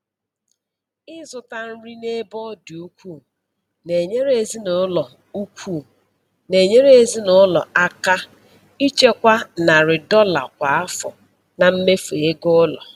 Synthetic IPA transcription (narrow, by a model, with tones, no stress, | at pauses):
ɪ˦zʊ˨ta˦n̩˦ɾi˦ne˦bɔ˦du˨u˦kʷu˦˨ | ne˨ɲe˦ɾe˨zi˦nʊ˨˦lɔ˨ | u˦kʷʰu˦˨ | ne˨ɲe˦ɾe˨zi˦nʊ˨˦lɔ̰˨a˦ka˦ | i˦t͡ʃe˦kʷa˦na˨ɾɪ˨dɔ˦la̰˨kʷa˨a˦fʊ̰˨ | na˨m̩˦me˦fe˨e˦ɡʊ˦lɔ̰˨